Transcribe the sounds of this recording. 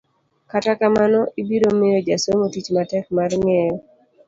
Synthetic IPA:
katakamanɔibiɾomɪjod͡ʒasomotit͡ʃmatɛkmarmɪɛjɔ

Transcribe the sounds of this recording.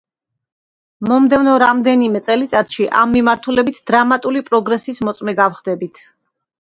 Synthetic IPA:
mɔmd̪ɛvnɔɾamd̪ɛnimɛt̪sʼɛlit̪sʼat̪ʰʃiʔa̰mːimaɾt̪ʰulɛbit̪ʰd̪ɾamat̪ʼulipʼɾɔɡɾɛsismɔt̪sʼmɛɡafχd̪ɛbit̪ʰ

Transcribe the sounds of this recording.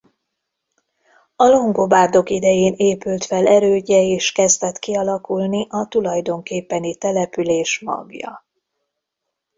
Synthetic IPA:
ɒlo̞ŋɡobaːrd̪o̞kid̪ɛjeːneːpylt̪fɛlɛɾøːɟɛeːʃkɛzd̪ɛt̪kiɒlɒkulniʔɒt̪ulɒjd̪o̞ŋkeːpːɛnit̪ɛlɛpyleːʃmɒ̰ɡjɒ̰

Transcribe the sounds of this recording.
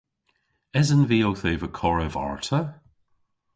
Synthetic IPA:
ɛzənviːowθeːvəkʰɔɹəva̰ɹtʰə

